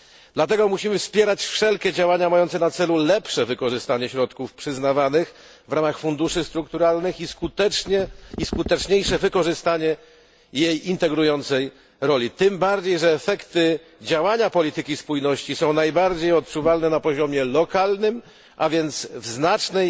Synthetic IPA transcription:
d̪̥lat̪ɛɡɔmuɕimɘfspʲjɛɾat͡ɕfʂɛlkʲɛd͡ʑawaɲamajɔnt̪sɛnat̪sɛlulɛpʂɛvɘkɔʐɘst̪aɲɛɕɾɔt̪kufpʂɘznavanɘx | vɾamaxfund̪uʂɘst̪ɾukt̪uɾalnɘxiskut̪ɛɲɛiskut̪ɛt͡ʂɲejʂɛvɘkɔʐɘst̪aɲɛ | jejint̪ɛɡɾujɔnt̪sɛj | ɾɔlʲit̪ɘmbaɾd͡ʑejʐɛːfɛkt̪ɘ | d͡ʑawaɲapɔlʲit̪ɘkʲispujnɔɕt͡ɕisɔ̃w̃najbaɾd͡ʑejɔt̪̚t͡ʂuvalnɛnapɔʑɔmʲjɛlɔkalnɘm | ʔavʲjɛnt̪svznat͡ʂnɛj

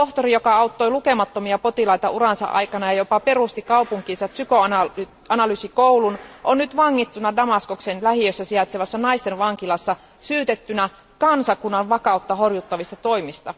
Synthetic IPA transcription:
t̪oht̪orijokɑɑut̪ːojluke̞mɑt̪ːomiɑpo̞t̪ilɑit̪ɑurɑnsɑ̰ʔɑ̰jkɑnɑjɑjopɑpe̞rust̪ikɑupuŋkiːnsɑpsykøɑnɑ | ɑnɑlysikoulunʔonnyt̪ʋɑŋːit̪ːunɑdɑmɑskoksenlæhijøsːæsiɑt̪seʋɑsːɑnɑist̪enʋɑŋkilɑsːɑ | syːt̪et̪ːynæ | kɑnsɑkunːɑʋʋɑkɑut̪ːɑhorjut̪ːɑʋist̪ɑt̪o̞imist̪ɑ

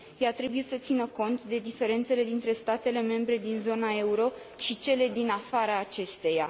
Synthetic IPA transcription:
jat̪ɾe̞buje̞sət̪sinəko̞nt̪d̪e̞d̪ife̞ɾe̞nt̪se̞le̞d̪int̪ɾe̞st̪at̪e̞le̞me̞mbɾe̞d̪inzo̞nae̞uɾo̞ | ʃit͡ʃe̞le̞d̪inafaɾaːt͡ʃe̞st̪e̞ja

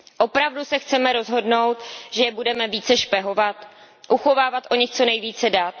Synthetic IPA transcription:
ʔo̞pɾavdusɛxt͡sɛmɛɾo̞zɦo̞dno̞wt̪ʒ̥ɛjɛbudɛmɛviːt͡sɛʃpɛɦo̞vat̪ | ʔuxo̞vaːvat̪ʔo̞ɲɪxt͡so̞nɛjviːt͡sɛdaːt̪̚

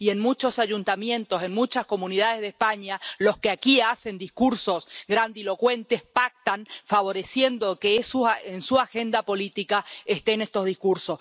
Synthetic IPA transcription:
ie̞nmut͡ʃo̞saʒunt̪amjẽ̞nt̪o̞se̞nmut͡ʃasko̞munið̞að̞e̞zðespaɲalo̞skeakiase̞nd̪ihkuɾso̞sɣɾand̪ilo̞kwe̞nt̪e̞hpak̚t̪anfaβo̞ɾe̞sje̞nd̪o̞kesuensuaxe̞nd̪apo̞lit̪ikaest̪e̞ne̞st̪o̞zðihkuɾso̞s

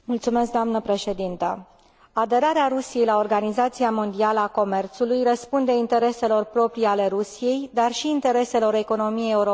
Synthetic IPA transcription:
mult̪sume̞sk̚d̪oamnəpɾe̞ʃe̞d̪int̪ə̰ | ad̪e̞ɾaɾeaɾusije̞jlao̞rɡanizat̪siamo̞nd̪ialəako̞me̞rt̪sulujrəspund̪e̞int̪e̞ɾe̞se̞lo̞rpɾo̞pɾiale̞ɾusije̞jd̪arʃiːnt̪e̞ɾe̞se̞lo̞ɾe̞ko̞no̞mijejeuɾo

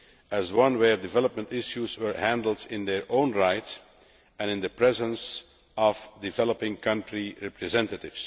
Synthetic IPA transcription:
æzwʌ̃nwəɹdɪvɛləp̚mə̃ntɪʃjuzwə˞hæ̃ndl̩ˠdɪ̃nd̪ɛɹʔõʊ̃nɹaɪt | ɛ̃nɪ̃nðəpɹɛzə̃ns | ɔvdɪvɛlˠəpɪ̃ŋkʰʌ̃ntɹiɹɛpɹɛzɛ̃ntətɪv̥s

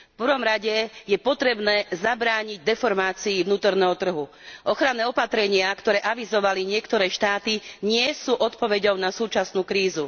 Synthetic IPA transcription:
fpɾr̩ɾʋɔmɾaɟɛjɛpɔt̪ɾɛbnɛːzabɾaːɲiɟ̚d̪ɛfɔɾmaːt͡siːʋnuːt̪ɔɾnɛːɦɔt̪r̩ɦu | ʔɔxɾanːɛːɔpat̪ɾɛɲɪakt̪ɔɾɛːʔaʋizɔʋaliɲɪɛkt̪ɔɾɛːʃt̪aːt̪iɲɪɛsuːʔɔt̪pɔʋɛɟɔʊnasuːt͡ʃasnuːkɾiːzu

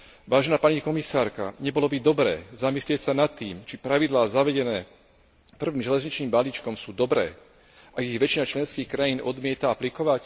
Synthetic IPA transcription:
ʋaːʒɛnaːpaɲikɔmisaːɾka̰ɲɛbɔlɔbid̪ɔbɾɛ̰ːzamislɪɛcsanat̪ːiːmt͡ʃipɾaʋid̪laːzaʋɛɟɛnɛː | pr̩ʋiːmʒɛlɛzɲit͡ʃniːmbaliːt͡ʃkɔmsuːd̪ɔbɾɛ̰ː | ʔaɡiɣʋɛt͡ʃinat͡ʃlɛnskiːxkɾajiːnɔd̪mɪɛt̪aaplikɔʋac

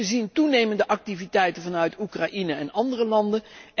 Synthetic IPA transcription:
əzintunejməndəʔɑk̚tivitɛjtənvɑnœɥtukraʔinəɛnɑndərəlɑndən

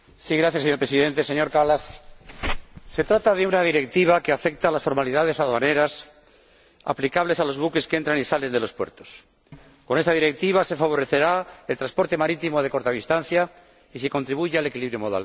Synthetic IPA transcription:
siɣɾaθjaseɲoɾpɾesiðe̞nt̪e̞seɲo̞ɾkalas | se̞t̪ɾat̪aðe̞unaðiɾe̞k̚t̪iβ̞akeafe̞kt̪aːlasfo̞ɾmaliðað̞e̞saðane̞ɾas | a̰plikaβle̞salo̞zβuke̞skee̞nt̪ɾanisale̞nd̪elo̞spwe̞̰ɾt̪o̞s | ko̞ne̞st̪aðiɾe̞k̚t̪iβ̞ase̞faβ̞o̞ɾe̞θe̞ɾae̞lt̪ɾaspo̞ɾt̪e̞maɾit̪imo̞ðe̞ko̞ɾt̪aβist̪an̟θja | is̬ikont̪ɾiβuʝeale̞kiliβɾjo̞mo̞ða̰l

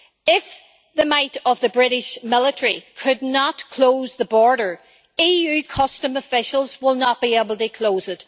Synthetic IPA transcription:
ɪf | ðəmaɪɾəvðəbɹɪɾɪʃmɪlˠəɾə˞ikʰɨdⁿnətkʰl̥oːzðəbɔɹɾə˞ | ijʉkʰʌstə̃məfɪʃəl̩ˠzwɪlˠnət̚b̥iebl̩ˠtɨkʰl̥oːzɪt

